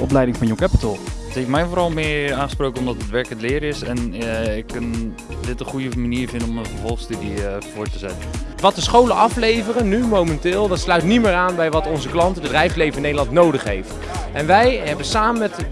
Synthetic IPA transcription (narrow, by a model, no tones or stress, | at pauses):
ʔɔ̰p̬lɛjdɪŋfɔnjokapətəlˠəthejftmɛjnfoːɾɔlˠmɪəaːχəsprowkənomdɔtətʋɛɹkətlɪːɾɪsɛnɪkːən | dɪtəχujəmaniəɹvɪndənɔməfəɹvɔlˠəxstydivʊːɹtəzɛ̰tənʋɑtəsχowləʔɑflejvərənːymowmɛntɪːlˠdɑtslœɥtnimɪːɹaːnbɛjʋɑtɔnzəklɑntədədrɛjfslejvənɪnːejdəlˠɑntnowdəχɦejft | ʔɛnʋɛjɦɛbəsaːmənmɛt